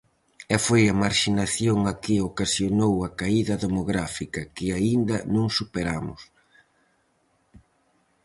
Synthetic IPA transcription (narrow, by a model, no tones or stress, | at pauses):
ɛfojɐmaɾʃinaθjoŋakɪokasjonowɐkaiðɐðomoɣɾafikɐkɪaind̪ɐnõŋsupeɾamʊ̰s